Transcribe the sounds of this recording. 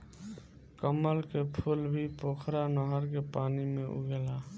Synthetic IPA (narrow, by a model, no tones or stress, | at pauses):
kəməlkepʰʊlbʱipoːkʰɾanəɦəɾkepaːnimẽʔṵɡela